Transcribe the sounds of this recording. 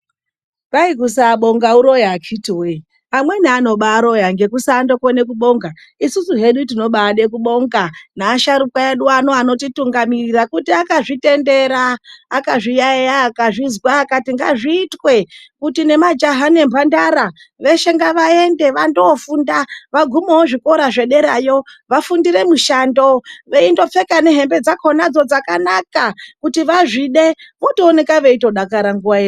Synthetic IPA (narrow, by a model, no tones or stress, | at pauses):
raikusaːɓo̞ŋɡauɾo̞jaːkʰitiwe | amwe̞niano̞ɓaːɾo̞jaŋɡe̞kusaːndo̞kone̞kuɓo̞ŋɡa | isusuɦe̞ɗutino̞ɓaːɗe̞k̬uɓo̞ŋɡanaːʃaɾukaeɗuanoano̞tituŋɡamirirakutiakaʐite̞nde̞ɾaːkaʐijaejaːkaʐizwaːkatiŋɡa̰ʐiːtwe̞kutine̞mad͡ʒaɦane̞mbʱandaɾa | ʋe̞ʃe̞ŋɡaʋaende̞ʋandofundaʋaɡʱumowoʐiko̞ɾaʐe̞ɗe̞ɾajoʋafundiɾe̞muʃando̞ʋe̞indo̞p͡fe̞kane̞ɦe̞mbe̞d͡zakʰo̞nad͡zo̞d͡zakanakakutiʋaʐiɗe̞ʋo̞toːne̞kaʋe̞ito̞ɗakaɾaŋɡuʋae